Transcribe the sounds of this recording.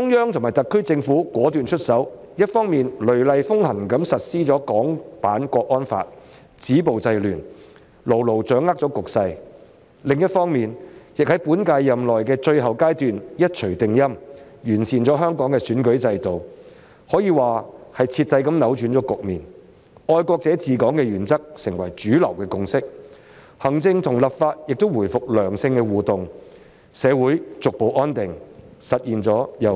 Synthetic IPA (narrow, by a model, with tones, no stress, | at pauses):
ʊ˥ŋjœː˥ŋt̪ʰʊ˨˩ma˨jt̪kʰːɵ˥t͡sɪ˧ŋfuː˨˥kwɔː˨˥t̪yː˨nt͡ʃʰɵ˥t̚sɐ˨˥w | jɐ˥t̚fɔː˥ŋmiː˨nlɵ˨˩ɥlɐ˨jfʊ˥ŋhɐ˨˩ŋkɐ˨˥msɐ˨t̚siː˥t͡ʃɔː˨˥kɔː˨˥ŋpaː˨˥nkʷɔː˧k̚ʔɔː˥nfa̰ː˧t̚ | t͡siː˨˥po˨wt͡sɐ˧jlyː˨˩n | lo˨˩wlo˨˩wt͡sœː˨˥ŋːaː˥k̚t͡sɔː˨˥kʊ˨k̚sɐ˧j | lɪ˨ŋjɐ˥t̚fɔː˥ŋmiː˨njɪ˨k̚hɐ˨˥jpuː˨˥nkaː˧jːɐ˨mlɔː˨jkɛː˧t͡ʃɵ˧ɥɦɐ˨wkaː˥jt̪yː˨njɐ˥t̚t͡ʃʰɵ˨˩ɥt̪ɪ˨ŋjɐ˥m | jyː˨˩nsiː˨nt͡ʃɔː˨˥ɦœː˥ŋkɔː˨˥ŋkɛː˧syː˨˥nkɵ˨˥ɥt͡sɐ˧jt̪o˨w | hɔː˨˥jiː˨˧waː˨hɐ˨jt͡sʰiː˧t̚t̪ɐ˧jkɐ˧mnɐ˨˥wt͡ʃy˨˥nt͡ʃɔː˨˥kʊ˨k̚miː˨˩n | ʔɔː˧jkʷɔː˧k̚t͡sɛː˨˥t͡siː˨kɔː˨˥ŋkɛː˧jyː˨˩nt͡sɐ˥k̚sɪ˨˩ŋwɐ˨˩jt͡ʃyː˨˥lɐ˨˩wkɛː˧kʊ˧ŋsɪ˥k̚ | hɐ˨˩ŋt͡sɪ˧ŋt̪ʰʊ˨˩ŋlɐ˨p̚faː˧t̚jɪ˨k̚t̪o˥wuː˨˩jfʊ˨k̚lœː˨˩ŋsɪ˧ŋkɛː˧wuː˨t̪ʊ˨ŋ | sɛː˨˧wuː˨˥jt͡sʊ˨k̚po˨wʔɔː˥nt̪ɪ˨ŋsɐ˨t̚jiː˨nt͡ʃɔː˨˥jɐ˨